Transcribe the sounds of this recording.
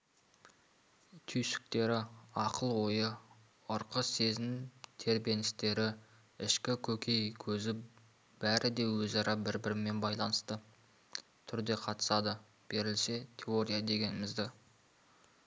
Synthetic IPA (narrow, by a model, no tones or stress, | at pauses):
t̪ʲʰyjsɪ̥k̚t̪e̞ɾɪɑqəlˠwo̞jə | ʊɾqəse̞zɪmt̪ʰe̞ɾbe̞nɪst̪e̞ɾɪ | ɪʃkʲɪkʲʰɵkʲʰe̞jkʲʰɵzɪ | b̥æɾʔɪd̪e̞wɵzɑɾɑbɪɾbɪɾɪmːe̞nbɑjlˠɑnəst̪ə | t̪ʰʏɾd̪e̞qʰɑt̪ə̥sɑd̪ə | b̥e̞ɾɪlse̞t̪ʲʰe̞o̞ɾijad̪e̞ɡʲe̞nɪmɪzd̪ɪ